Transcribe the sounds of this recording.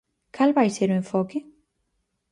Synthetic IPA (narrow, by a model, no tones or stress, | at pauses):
kalβajseɾuẽɱfɔkɪ